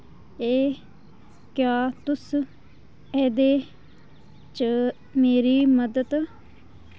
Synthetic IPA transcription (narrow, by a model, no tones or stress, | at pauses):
eː | kjaːt̪ʊs | ɛːd̪eː | t͡ʃə | meːɾiːməd̪ət̪